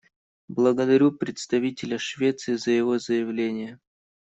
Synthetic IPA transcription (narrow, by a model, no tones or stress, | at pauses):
blˠəɡəd̪ɐɾʲupɾʲɪt̪st̪ɐvʲitʲɪlʲəʂvʲet̪sɨɪzəjɪvo̞zəjɪvlʲenʲɪjə